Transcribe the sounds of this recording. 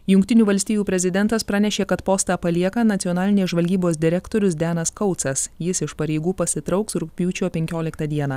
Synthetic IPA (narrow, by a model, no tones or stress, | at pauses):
jʊŋkt̪ʲɪnʲuːʋɐlʲsʲt̪ʲijuːpʲɾʲɛzʲɪd̪ʲɛnt̪ɐspɾɑːnʲɛʃʲeːkɐt̪poːst̪ɑːpɐlʲiɛkɐnɐt̪sʲiɔnɑːlʲɪnʲeːʒʋɐlʲɡʲiːboːsd̪ʲɪɾʲɛkt̪oːɾʲʊsd̪ʲæːnɐskɐʊt̪sɐsjɪsɪʃpɐɾʲɛɪɡuːpɐsʲɪt̪ɾɐʊksɾʊk̚pʲuːt͡ʃʲoːpʲɛŋʲkʲoːlʲɪkt̪ɐd̪ʲiɛnɑː